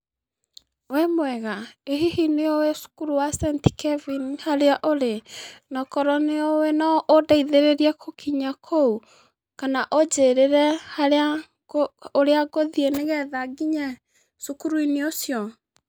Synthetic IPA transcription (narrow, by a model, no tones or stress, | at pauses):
wɛmwɛɣaeɦihineɔwesu̥kuɾuwasɛnti̥kɛvinihaɾeaʔoɾenɔkɔɾɔneɔwenɔʔodaiðeɾeɾiɛkʰokʰiɲakʰou | kanaʔod͡ʒeɾeɾɛhaɾa | oɾeaɣoðieneɣɛðaɡiɲɛ | sukuɾuineosjɔ